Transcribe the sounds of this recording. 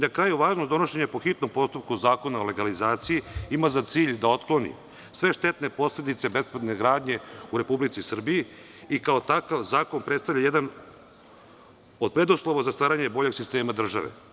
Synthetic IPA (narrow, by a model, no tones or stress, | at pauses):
nakɾaːjuʋaːʒnod̪o̞no̞ʃe̞ɲapo̞xit̪nompo̞st̪up̚kuzaːko̞naole̞ɡalizaːt̪sijiimazat̪siːʎd̪ao̞t̪klˠo̞nḭ | sʋe̞ʃt̪e̞t̪ne̞po̞sle̞d̪it̪se̞be̞spɾed̪neɡɾaːd̪ɲe̞uɾe̞publit̪sisr̩bii | ikao̞t̪akaʋzaːko̞npɾet̪st̪avʎʲajed̪an | o̞d̪̚pɾe̞d̪oslˠoʋazast̪ʋaːɾaɲe̞bo̞ʎe̞ɡsist̪e̞ːmad̪r̩ʒa̰ʋḛ